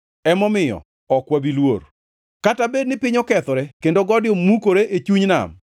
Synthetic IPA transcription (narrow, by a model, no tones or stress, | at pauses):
ɛmɔmɪjɔ̰ | ɔkwabilwor | katabed̚nɪpɪɲɔkɛt̪ɔɾɛkendoɡɔdɪomukoɾeʔet͡ʃuɲna̰m